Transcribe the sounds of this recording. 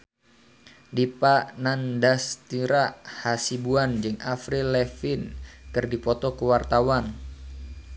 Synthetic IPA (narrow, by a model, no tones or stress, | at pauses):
dipanandast̪iɾahasibuand͡ʒɨŋʔafɾilɛfɪnkɨrdipɔt̪ɔkəwart̪awan